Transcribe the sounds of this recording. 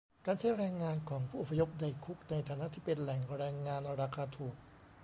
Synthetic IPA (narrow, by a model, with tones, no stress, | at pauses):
kaː˧nt͡ɕʰa˦˥˩jɾɛː˧ŋːaː˧nkʰɔː˩˦ŋpʰuː˥˩ʔo˨˩pʰːa˧jo˦˥p̚da˧˩jkʰu˦˥k̚na˧jt̪ʰaː˨˧˦na˦˥ʔt̪ʰiː˥˩pe˧nlɛ˨˩ŋɾɛː˧ŋːaː˧nɾa˧kʰaː˧t̪ʰuː˨˩k̚